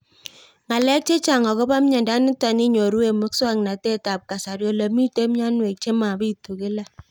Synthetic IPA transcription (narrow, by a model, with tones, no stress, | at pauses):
ŋa˨lɛ˦k̚t͡ʃe˦t͡ʃa˨ŋɔ˨kɔ˦ba˦mɲɛ˨nda˦nɪ˦ta˨ni˦ɲo˨ɾu˦e˨mʊ˦kswa˦ŋ˨na˨te˦ta˨p̚ka˨sa˨ɾjɔ˦lə˨mi˦te˦mɲa˦nwe˨k̚t͡ʃe˦ma˨bi˦to˨kɪ˦la˦